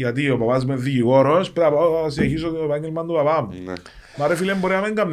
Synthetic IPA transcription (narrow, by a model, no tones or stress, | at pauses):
jat̪̬iopapazmeðːiʝiɣoɾospeɾapas̬ieçis̬ovaŋːelmand̪upapam | maɾefilemboɾeameŋɡamː